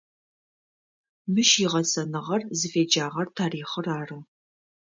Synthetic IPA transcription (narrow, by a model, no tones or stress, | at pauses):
mɨʃiʁɐsʰʼɐnɨʁɐrzɨfeːd͡ʒaːʁɐrtʰaːɾiːχəraːrɨ